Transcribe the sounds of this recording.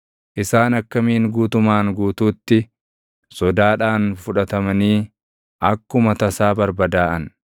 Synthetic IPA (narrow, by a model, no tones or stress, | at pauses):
ʔɪsaːnɐkːɐmiːŋɡuːt̪ʊmaːŋɡuːt̪uːt̪ːɪ | sɔd̪aːᶑaːnfʊᶑɐt̪ɐmɐniː | ʔɐkːʊmɐt̪ɐsaːbɐɾbɐd̪aːʔɐn